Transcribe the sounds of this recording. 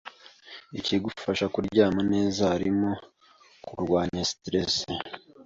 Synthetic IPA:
iciɡufaʃakuɾɟaːmane̞ːzaaɾimo̞ | kuɾɡwaːɲastɾe̞s

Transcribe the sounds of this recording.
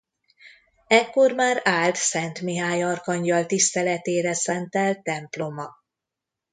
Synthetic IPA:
ɛkːo̞rmaːɾaːlt̪sɛnt̪miɦaːjɒrkɒɲɟɒlt̪ist̪ɛlɛt̪eːɾɛsɛnt̪ɛlt̪ɛmplo̞mɒ

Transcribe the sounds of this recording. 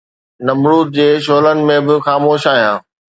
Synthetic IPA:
nɐmɾuːt̪̚d͡ʑeːʃ̬oːlənɪ̆mẽbɪxaːmoːʃaːɦijãː

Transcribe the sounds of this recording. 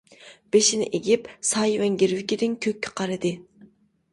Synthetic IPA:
b̥eʃinɪ̰ʔeɡʲipsɑːjivɛŋɡʲiɾvɪkʲid̪ɪŋkʲʰøkʲʰːɪ̥qʰɑɾɨd̪ɨ

